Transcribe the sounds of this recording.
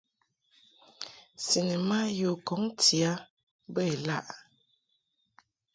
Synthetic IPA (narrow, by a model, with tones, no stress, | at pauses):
si˨nə˨ma˦jo˨kɔ˨˦ŋti˨a˦ | bə˦˨e˨la̰˦ʔ